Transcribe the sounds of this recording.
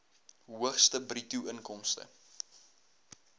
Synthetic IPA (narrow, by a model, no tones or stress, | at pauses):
ɦuəχstəbrituəŋkɔmstə̰